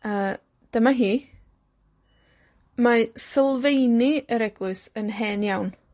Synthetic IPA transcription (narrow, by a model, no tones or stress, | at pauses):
a | d̥əmaɦiː | masəlˠvejniəɾɛɡlʊɨsənɦɛnjawn